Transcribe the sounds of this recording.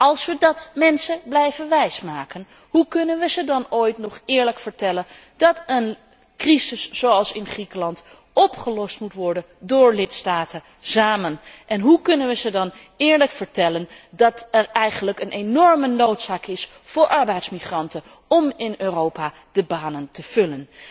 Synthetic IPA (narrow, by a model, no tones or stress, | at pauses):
ɑlˠsʋədɑtmɛnsəblɛjvənʋɛjsmaːkən | ɦukɵnənʋəzədɑnojtnɔχɪːɹləkfəɹtɛlən | d̥ɑtən | krizɪsːowɑlˠsɪnχrikəlɑnt | ɔpχəlɔstmutʋɔɹdəndʊːɹlɪtstaːtə | zaːmənʔɛnɦukɵnənʋəzədɑn | ɪːɹləkfəɹtɛləndɑtɛɹɛjχənləkənʔenɔɹmənowtsaːkɪs | fʊːɹʔɑɹbɛjtsmiχrɑntə | ɔmɪnøːrowpaː | d̥əbaːnəntəv̥ɵlən